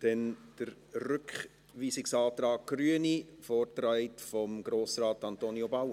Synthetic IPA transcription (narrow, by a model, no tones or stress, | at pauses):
d̥ɛnd̥əɾrʏkχ | ʋiːsɪksɑːt̪rɑːɡ̚ɡ̥ryənifɔːrtɾaɪtfɔmɡ̥ɾoːsrɑːtɑnt̪oːniobaw